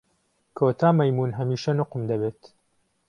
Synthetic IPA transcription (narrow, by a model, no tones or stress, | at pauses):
kʰoːt̪ʰaːmɐjmuːnɦɐmiːʃɐnʊqmd̪ɐbeːt̪